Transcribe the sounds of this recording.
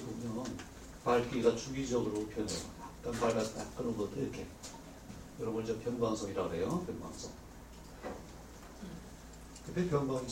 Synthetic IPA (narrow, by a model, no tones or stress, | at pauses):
bomjʌn | paɭk͈iɡat͡ɕʰuɡid͡ʑʌɡɯɾopʰjʌnḛa̰at͈anpaɭɡast͈a̰k͈ɯɾʌnɡʌt͈oiɾkʰe̞ | jʌɾʌbɯnd͡ʑʌpʰjʌnɡaŋsʰʌŋiɾaɡoɦe̞jopʰjʌnɡa̰ŋsʰʌ̰ŋ | kɯt͈e̞pjʌnbaŋ